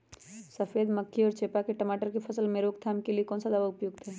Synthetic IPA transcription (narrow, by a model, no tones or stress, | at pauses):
səfeːd̪məkʰːiɔːɾt͡ʃeːpakeʈɐmaːʈəɾkepʰɐsəlmẽɾoːɡt̪ʰamkeliekɔːnsad̪aʋaʊpjʊɡ̚t̪ʰɛː